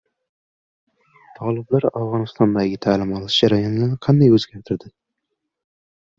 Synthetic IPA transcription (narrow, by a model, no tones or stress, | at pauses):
t̪ʰɒːlˠɨblaɾɑwʁɑnɨst̪ɒnd̪aɡʲɪt̪ʰaːlɪmɑlˠɨʃd͡ʒaɾajɒnlaɾnɪqʰɑnd̪ajɵzɡʲaɾt̪ʰɪɾd̪ɪ